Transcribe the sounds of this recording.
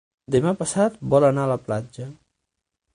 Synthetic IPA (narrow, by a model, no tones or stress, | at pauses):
d̪emapəsat̪̚bɔlənaələplad͡ʒə